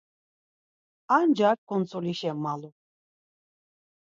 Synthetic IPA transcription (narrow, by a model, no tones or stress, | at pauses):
and͡ʒak̚kʰɔnt͡sɔlʲiʃɛmːalu